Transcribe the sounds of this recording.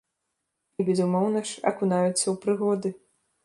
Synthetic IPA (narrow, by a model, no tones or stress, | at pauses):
ibʲɛzumɔwnɐʂɐ̰kunajut̪sːɐwpɾɨɣɔd̪ɨ